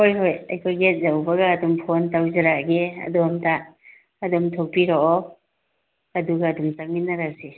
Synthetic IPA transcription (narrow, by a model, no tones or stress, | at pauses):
hojɦojɐjkʰojɡet̚zawbɐɡaːdumpʰontawzaɾaɡeɐ̰dumtaː | dumtʰok̚piɾɔʔɔ | ɐduɡadumt͡ʃaŋ̚minːaɾase